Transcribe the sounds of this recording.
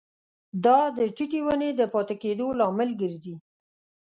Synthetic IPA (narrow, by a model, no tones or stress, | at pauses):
d̪ɑd̪əʈiʈiwaned̪əpɑt̪ɪked̪olɑmɪlɡəɾzi